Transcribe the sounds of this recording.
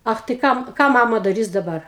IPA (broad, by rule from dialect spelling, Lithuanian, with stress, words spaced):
ˈɐx tɐɪ ˈkɐm ˈkɑː ˈmɑːmɐ dɐˈrʲiːs dɐˈbɐr